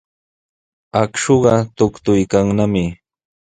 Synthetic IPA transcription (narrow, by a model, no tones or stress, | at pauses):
akʃoɢɑt̪ʊkt̪ʊjkaŋnamɪ